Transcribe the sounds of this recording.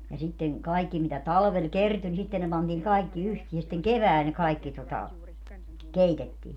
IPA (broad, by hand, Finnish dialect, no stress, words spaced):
jɑ sitːeŋ kɑikːi mitæ tɑlʋel kerty ni sitːen ne pɑntiːŋ kɑi̯kːi yhtiː jɑ sĭtːeŋ keʋæːl ne kɑikːi totɑ keitetːiː